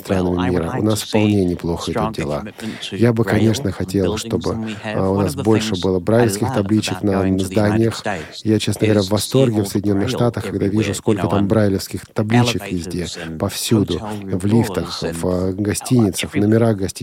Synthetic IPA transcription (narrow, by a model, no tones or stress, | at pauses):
st̪ɾanəmʲɪmʲiɾə̰ʊ̰nasfpɐlˠnʲenʲɪplˠo̞xəɛt̪ot̪̚dʲɪlˠa̰ | jabɨkɐnʲe̞ʂnəxɐtʲe̞lˠʂt̪o̞bɨʊnasbo̞lʲʂɨbɨlˠəbɾajlɪfskʲɪxt̪ɐblʲit͡ɕɪknənəzd̪anʲɪjəx | jat͡ɕesnəɡəvɐɾʲavːɐst̪o̞rɡʲɪfsəjdʲɪnʲo̞nːɨxʂt̪at̪əxkɐɡd̪avʲiʐʊsko̞lʲkət̪ambɾajlʲɪfskʲɪxt̪ɐblʲit͡ɕɪkjʲɪzʲdʲepɐfsʲud̪ʊvlʲift̪əxvɡɐsʲtʲinʲɪt̪səxvnəmʲɪɾaɣɡɐsʲtʲ